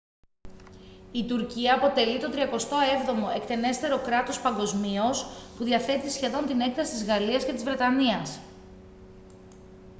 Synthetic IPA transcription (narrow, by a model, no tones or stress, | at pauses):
it̪uɾciɐːpo̞t̪e̞lit̪o̞t̪ɾiɐko̞st̪o̞e̞vðo̞mo̞ekt̪e̞ne̞st̪e̞ɾo̞kɾɐt̪o̞spɐŋɡo̞zmiospuðiɐθe̞t̪isçe̞ðo̞nt̪ine̞kθɐsi̥t̪izɣɐliɐscet̪izvɾe̞t̪ɐniɐs